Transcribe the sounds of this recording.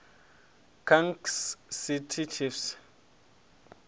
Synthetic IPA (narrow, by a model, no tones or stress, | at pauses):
kʰaŋksːitʰit͡ʃʰifs